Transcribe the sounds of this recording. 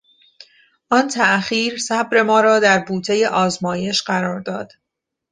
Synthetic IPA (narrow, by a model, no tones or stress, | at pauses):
ʔɒːnt̪ʰæʔχiːɾsæbɾe̞mɒːɾɒːd̪æɾbuːt̪ʰe̞je̞ʔɒːzmɒːje̞ʃɢæɾɒːɾd̪ɒːd̪̥